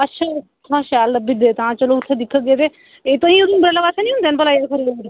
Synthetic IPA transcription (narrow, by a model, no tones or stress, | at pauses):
ətːʃʰaː | ãːʃaːlːəbid̪eːt̪ãːt͡ʃəloːʊt̪ʰːeːd̪ɪkʰːəɡeːt̪eː | eːt̪õːĩuɾunbəɾlaːbaːsenĩːʊ̃nd̪eːnpəlaːjkʰəɾiː